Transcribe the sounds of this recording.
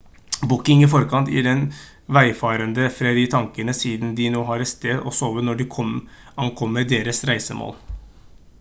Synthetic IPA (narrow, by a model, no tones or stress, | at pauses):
bʊkɪŋɪfɔɾkʰɑnt̪jɪ̰ɖɛn | ʋæɪfɑːɾənd̪əfɾɑd̪ɪt̪ʰɑŋkənəsiːd̪n̩d̪ɪnoːɦɑɾɛt̪st̪eːd̪ɔ̰soːʋənɔɖɪkʰɔm | ɑŋkʰɔmːəɖ̪eːɾəsɾæɪsəmo̰ːl